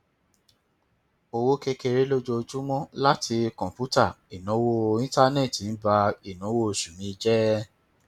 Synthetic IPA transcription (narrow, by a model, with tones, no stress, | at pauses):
o˧wo˦ke˦˧ke˧ɾe˦lo˦d͡ʒo˧d͡ʒu˦mɔ̃˦la˦tʰi˧kɔ̃˨pu˦ta˦˨i˨nɔ̃˨˦wo˦˧ĩ˦ta˦nɛ̃˦˨ti˨n̩˦ba˧i˨nɔ̃˨˦wo˦˨ʃũ˨mĩ˧i˧d͡ʒɛ˦